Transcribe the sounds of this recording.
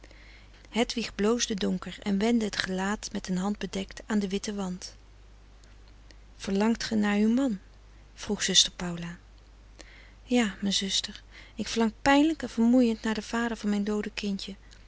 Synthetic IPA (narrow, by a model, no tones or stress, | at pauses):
hɛtʋiχblowzdədʊŋkəɹɛ̰nʋɛndəɦətχəlaːtmɛtɦənɦɑnd̚bədɛktaːndəʋɪtəʋɑnt | v̥əɹlɑŋtχənaːɹywmɑn | v̥ruχsɵstəɹpɑwlaː | jaːmɛjnzɵstəɹ | ɪkfəɹlɑŋkpɛjnləkɛnv̥əɹmujəntnaːɹdəv̥aːdəɹvɑnmɛjndowdəkɪntə